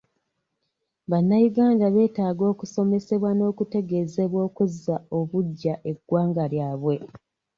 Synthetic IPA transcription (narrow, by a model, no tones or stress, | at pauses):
βanːajuɡaːndaβe̞ːtaːɡo̞ːkuso̞me̞se̞βwano̞ːkute̞ɡe̞ːze̞βwo̞ːkuzːao̞βuɟːaʔe̞ɡːwaːŋɡaljaːβwe̞